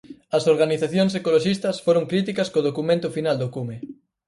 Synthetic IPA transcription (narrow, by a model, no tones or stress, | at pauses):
ɐsoɾɣaniθaθjoŋsekoloʃist̪ɐsfoɾoŋkɾit̪ikɐskoðokumẽnt̪ʊfinald̪okume